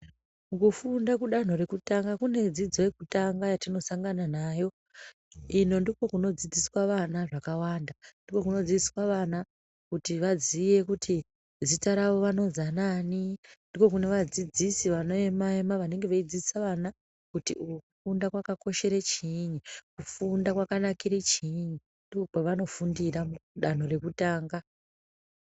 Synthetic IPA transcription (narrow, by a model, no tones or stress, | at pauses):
ukufundakuɗan̤o̞ɾe̞kutaŋɡakune̞d͡zid͡zo̞je̞kutaŋɡajatino̞saŋɡananaːjo̞ | ino̞ndiko̞kuno̞d͡zid͡ziswaʋanaʐakawandandiko̞kuno̞d͡ziswaʋana | kutiʋazije̞kutʰi | zitaɾaʋo̞ʋano̞zananindiko̞kune̞ʋad͡zid͡zisiʋano̞emaemaʋane̞ŋɡe̞ʋaid͡zisaʋana | kutiukufundakwakako̞ʃe̞ɾet͡ʃiɲikufundakwakanakiɾit͡ʃiɲu | ndikokoʋano̞fundiramuɗan̤ore̞kutaːŋɡa